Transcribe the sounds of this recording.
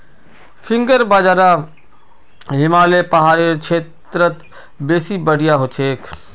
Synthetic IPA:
fʰɪ̃ŋɡəɾbaːd͡ʒaːɾa | ɦɪmaːlepɐɦaːɾeɾkt͡ʃʰeːt̪ɾət̪ | beːsibəɽ̤ijaɦot͡ʃʰeːkʰ

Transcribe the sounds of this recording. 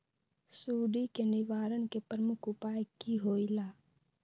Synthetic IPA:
suːɖikenɪʋaːɾənkepɾəmʊkʰʊpaːjkiɦoːilaː

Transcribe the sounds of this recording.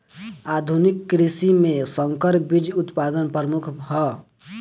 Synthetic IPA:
ad̪ʱunikːɾisimẽsəŋkəɾbid͡ʒut̪pad̪ənpəmukʰɦɔ

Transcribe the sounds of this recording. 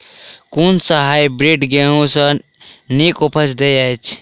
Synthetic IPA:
kunsəɦajbɾiɖɡeɦũsə̃ | nikopʰəsd̪ejat͡ʃʰ

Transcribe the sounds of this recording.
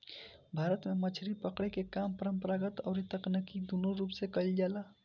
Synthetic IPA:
bʱaːɾət̪mẽmət͡ʃʰɾipəkɽekekaːmpəɾəmpəɾaːɡət̪ɔ̰ːɾet̪əknəkid̪oːnoɾuːpsekəld͡ʒaːlaː

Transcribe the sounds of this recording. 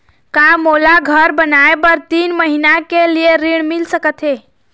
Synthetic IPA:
kamolaɡʱəɾbənajbəɾt̪iːnməɦinakelijeɾiɳ̃milsəkət̪ʰe

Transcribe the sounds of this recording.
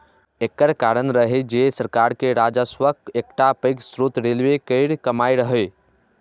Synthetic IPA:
ekːəɾkaɾənɾəɦed͡ʒesəɾkaɾkeɾad͡ʒəswəkek̚ʈapəɪksɾut̪ɾelʋekəɪɾkəmaiɾəɦəj

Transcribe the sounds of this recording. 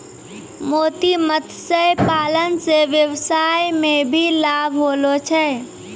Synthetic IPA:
moːt̪imət̪ʰsəjpaːlənseʋjəwsajmẽbʱilabʱɦoːlot͡ʃʰɛ

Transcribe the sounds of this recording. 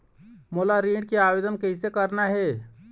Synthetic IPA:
moːlaɾiːɽkeaːʋeːd̪ənkəɪsekəɾnaɦɛː

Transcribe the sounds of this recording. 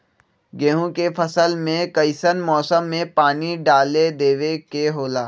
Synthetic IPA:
ɡẽːɦõkepʰəsəlmẽkɐɪsənmɔːsəmːẽpaːniɖaːled̪eːʋekeɦoːlaː

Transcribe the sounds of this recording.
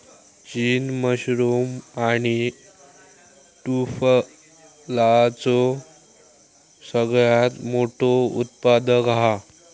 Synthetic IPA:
t͡ɕiːnməɕɾomaɽ̃i | ʈuf | lat͡so | səɡɭjat̪moʈʰoṵt̪pad̪əka

